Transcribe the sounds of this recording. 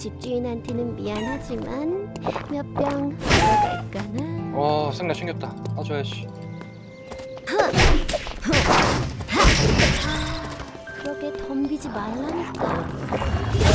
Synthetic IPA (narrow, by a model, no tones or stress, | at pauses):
t͡ɕip̚t͡ɕ͈uinɦantʰenɯnmianɦad͡ʑimanmjʌp͈jʌŋeɡaik͈anaʌsʰɯŋɡaɕʰiŋɡjʌp̚t͈aad͡ʑoaɕi̥ | a | hʌ | aa | kɯɾʌkʰe̞tʌmɡid͡ʑimaɭːanet̚k͈ao